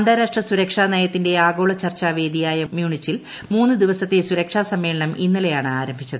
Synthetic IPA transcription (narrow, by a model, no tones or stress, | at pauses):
ɐnd̪ʱaːɾaːʂʈrɐsuɾɐkʂaːnɐjɐt̪ːinde̞aːɡo̞ːɭɐt͡ɕɐrt͡ɕːaːʋe̞ːd̪ijaːjɐmjuːɳit͡ɕːil | muːnːɨd̪iʋɐsɐt̪ːesuɾɐkʂaːsɐmːe̞ːɭɐɳɐmʔinːɐlejaːɳɨaːɾɐmbʱit͡ɕːɐðɨɨ